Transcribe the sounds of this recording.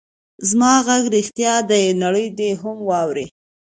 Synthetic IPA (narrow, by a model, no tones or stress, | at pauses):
zmɑɣaɡɾixt̪jɑd̪ənaɽəjd̪eɦamwɑwɾe